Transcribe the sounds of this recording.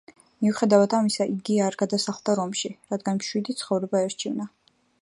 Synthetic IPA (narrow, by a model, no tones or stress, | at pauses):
miuχɛd̪avat̪ʰamisaʔiɡiaːɾɡad̪asaχlˠd̪aɾɔmʃiɾad̪ɡanmʃwid̪it̪sʰχɔvɾɛbaɛɾt͡ʃʰivna